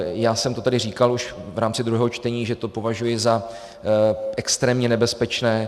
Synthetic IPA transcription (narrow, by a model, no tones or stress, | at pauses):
jaːsɛmt̪o̞t̪adɪriːkaluʃvɾaːmt͡sɪd̪ɾuɦɛːɦo̞t͡ʃt̪ɛɲiːʒɛt̪o̞po̞vaʒujɪza | ʔɛkst̪ɾɛːmɲɛnɛbɛspɛt͡ʃnɛː